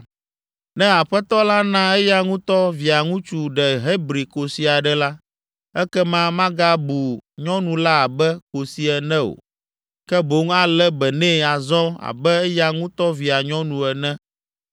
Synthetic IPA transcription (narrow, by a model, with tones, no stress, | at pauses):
nɛ̃˦a˨ɸɛ˦t̪ɔ˦la˦nã˦ɛ˦ja˦ŋũ˦t̪ɔ˦vi˨a˨ŋũ˦t͡ʃu˨ɖɛ˨ɦe˦bɾi˨ko˨si˨a˨ɖɛ˦la˦ | ɛ˦kɛ˦mã˦mã˦ɡa˦bu˨ɲɔ̃˦nũ˨la˦a˨bɛ˦ko˨si˦ɛ˨nɛ̃˦o̰˨ | kɛ˦bo˦ŋa˦lɛ˦bɛ˨nɛ̃˦˨a˨zɔ̃˦a̰˨bɛ˦ɛ˦ja˦ŋũ˦t̪ɔ˦vi˨a˨ɲɔ̃˦nũ˨ɛ˨nɛ̃˦